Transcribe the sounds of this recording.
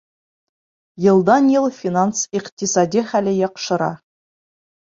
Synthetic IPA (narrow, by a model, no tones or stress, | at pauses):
jɤ̆lˠd̪ɑnjɤlˠfʲinansiqt̪isɑd̪ʲiχælɘjɑqʃɤ̆ɾɑ̰